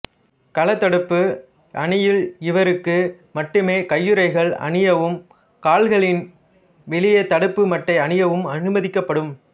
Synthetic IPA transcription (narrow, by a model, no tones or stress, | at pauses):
kɐlɐt̪ːɐɽɯpːɯ | ʔɐɳɪjɪlɪʋɐɾɯkːɯ | mɐʈːɯmeːkɐjːɯɾɐɪɣɐɭɐ̰ɳɪjɐʋɯm | kaːlɣɐɭɪn | ʋɛɭɪjɐt̪ɐɽɯpːɯmɐʈːɐɪɐnɪjɐʋɯmɐnɯmɐðɪkːɐpːɐɽɯm